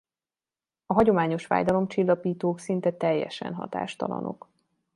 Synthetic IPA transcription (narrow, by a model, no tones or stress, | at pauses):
ɒɦɒɟo̞maːɲo̞ʃfa̰ːjd̪ɒlo̞mt͡ʃilːɒpiːt̪oːksint̪ɛt̪ɛjːɛ̰ʃɛ̰nɦɒ̰t̪a̰ːʃt̪ɒlɒ̰no̞̰k